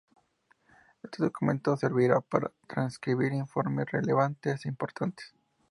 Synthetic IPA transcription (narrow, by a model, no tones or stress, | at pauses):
est̪eðokumẽ̞nt̪ose̞ɾβiɾapaɾa̰t̪ɾanskɾiβiɾiɱfo̞ɾmesre̞leβant̪esimpo̞ɾt̪ʰant̪e̥s